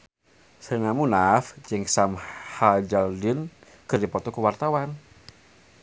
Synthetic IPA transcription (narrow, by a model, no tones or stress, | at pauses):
sənamunafd͡ʒɪŋsamhad͡ʒaldɪn | kərdipɔt̪ɔkəwart̪awan